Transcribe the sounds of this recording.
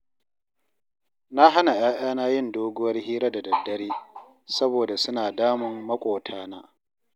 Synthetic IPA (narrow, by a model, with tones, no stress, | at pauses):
na˦ɦa˦na˨j̰ʔaː˦ʔaː˦naː˦jɪ˦ndoː˦ɡʊ˦wɐ˦rhiː˦ɾa˦da˨dɐ˨dːɐ˦ɾeː˦ | sɐ˦boː˨da˨sʊ˦naː˨daː˦mʊ˨mːɐ˦kʷʼoː˨tʰaː˦naː˦